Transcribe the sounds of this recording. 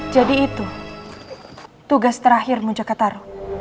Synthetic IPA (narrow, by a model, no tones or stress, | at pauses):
d͡ʒadiːt̪u | t̪uɡast̪əɾaɦɪrmud͡ʒakat̪aɾu